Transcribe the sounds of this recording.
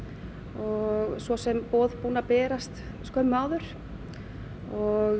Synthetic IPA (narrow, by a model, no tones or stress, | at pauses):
ɔɣsvɔsɛmpɔːðpuːnapɛːɾast̪ | skœɥmːʏaːwðʏɾ̥ | ɔɣ